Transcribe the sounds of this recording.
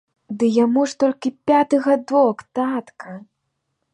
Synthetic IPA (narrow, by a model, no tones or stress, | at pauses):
d̪ɨjamuʂt̪ɔlʲkʲipʲat̪ɨɣɐd̪ɔkt̪at̪kʰɐ